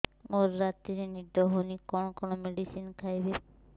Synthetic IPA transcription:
moɾːatiɾinidɔɦonikɔnɔkʰɔnɔmedisinkʰajbe

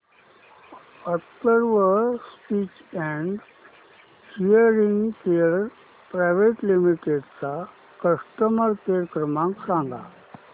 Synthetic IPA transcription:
ət̪ːəɾʋəspiːt͡ɕɛ̃ɳɖ | hijəɾiŋɡkeəɾɾ | pɾajʋeʈlimiʈeɖt͡sa | kəʂʈəməɾkeɾkɾəmãŋksãŋɡʱa̰

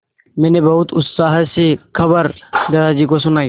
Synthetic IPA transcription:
meːnebɐɦʊt̪ʊt̪saːɦəsekʰɐbəɾd̪ɐd̪aːd͡ʒiːkos̬ʊnaː

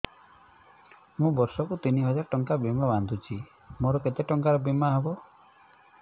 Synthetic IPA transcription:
mũbɔɾsɔkut̪iniɦɔd͡ʒaɾɔʈɔŋkabimaband̪ʱut͡ʃʰi | moɾɔket̪eʈɔŋkaɾɔbimaɦebɔ

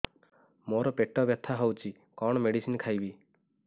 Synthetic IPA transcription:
moɾɔpeʈɔbjɔt̪ʰaɦowt͡ʃʰi | kɔɽ̃ɔmeɽisinkʰajbi

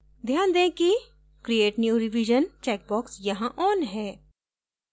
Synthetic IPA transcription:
d̪ʱjaːnd̪ẽːki | kɾieːʈnjuːɾɪʋiʒənt͡ʃɛːk̚bɔːksjɐɦãʔɔːnɦɛː

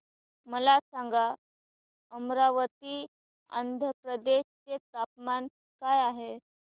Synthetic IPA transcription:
məlasaŋɡa | əmɾaʋət̪iː | ə̰nd̪ʱəpɾəd̪eɕt͡set̪ap̚man | kajaɦe

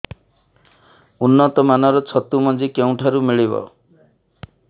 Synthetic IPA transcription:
unːɔt̪ɔmanɔɾɔt͡ʃʰɔt̪umɔd͡ʒikew̃ʈʰaɾumiɭibɔ̰

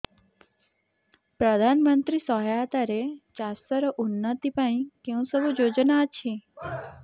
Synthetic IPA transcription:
pɾəd̪ʱanmənt̪ɾisɔɦjat̪aɾet͡ʃast̪əɾəʔunːət̪ipaĩkẽũsəbud͡ʒod͡ʒnat͡ʃʰĩ

